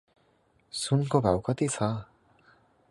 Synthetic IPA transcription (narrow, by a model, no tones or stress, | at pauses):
sunkobawkat̪isʰa